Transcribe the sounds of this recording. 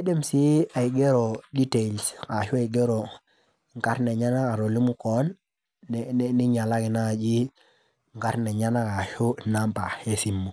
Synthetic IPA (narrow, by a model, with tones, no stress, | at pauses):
e˦de˦msi˦a˨i˨ɡe˦ɾo˨di˦te˨lska˨ʃu˦a˨i˨ɡe˦ɾo˨ | ŋ˨ka˦ɾne˨ɲa˦na˦ka˨ɾo˨li˦mu˦kɔ˦nː˦ | ni˦ɲa˨la˦ki˨na˦˨d͡ʒi˦ | ŋka˦ɾne˨ɲa˦na˦ka˨ʃu˦˨na˦mpa˨e˦si˨mːu˨